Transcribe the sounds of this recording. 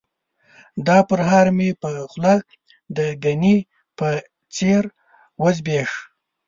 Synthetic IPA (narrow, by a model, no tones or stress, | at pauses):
d̪ɑpəɾɦɑɾmepəxlɑk | d̪əɡani | pə | t͡seɾ | wəzbeʂ